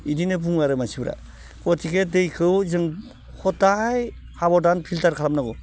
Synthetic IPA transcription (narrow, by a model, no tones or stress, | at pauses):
idinɯbuŋaɾɯmasibɾa̰ | kɔtʰikedɯjkʰɯwzɯŋ | hʰɔtːaj | habɔdanpʰiltaɾkʰalamnaɡɔ